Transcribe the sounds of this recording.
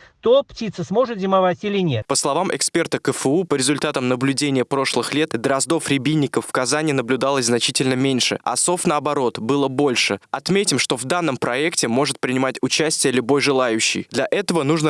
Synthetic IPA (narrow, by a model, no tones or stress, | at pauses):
t̪optʲit̪səsmo̞ʐɨt̪zʲɪmɐvatʲilʲɪnʲet̪pəslˠɐvamʔɪ̰kspʲe̞rt̪əkəfɨupəɾʲɪzʊlʲt̪at̪əmnəblʲʉdʲenʲɪjəpɾo̞ʂlˠɨxlʲe̞t̪d̪əɾɐzd̪o̞fɾʲɪbʲinʲːɪkəfːkɐzanʲɪːnəblʲʊd̪alˠəsʲznɐt͡ɕitʲɪlʲnəmʲenʲʂɨ̰ɐ̰so̞fnəɐbɐɾo̞t̪bɨlˠəbo̞lʲʂɨɐt̪mʲetʲɪmʂt̪o̞vd̪anːəmpɾɐɛktʲɪmo̞ʐɨt̪̚pɾʲɪnʲɪmatʲʊt͡ɕæsʲtʲɪjəlʲʊbo̞jʐɨlˠajʉɕːɪ̰jd̪lʲɐʔɛt̪əvənuʐnə